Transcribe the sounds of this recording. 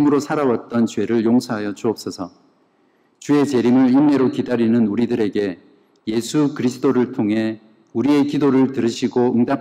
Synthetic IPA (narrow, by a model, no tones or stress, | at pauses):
mɯɾosʰaɾawat̚t͈ʌnt͡ɕwe̞ɾɯɭjoŋsʰʌɦajʌt͡ɕuʌp̚s͈ʌsʰʌ | t͡ɕue̞t͡ɕe̞ɾimɯɭjiŋne̞ɾokidaɾinɯnuɾidɯɾe̞ɡe̞ | je̞sʰukɯɾisʰɯ̥t͈oɾɯɭtʰoŋɦe̞ | uɾie̞kidoɾɯɭtɯɾɯɕʰiɡoɯŋda